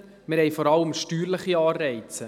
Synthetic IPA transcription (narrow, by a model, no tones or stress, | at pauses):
mɪɾhɛjfɔɾɑləmʃtyːɾləχiɑːrɛɪt͡sə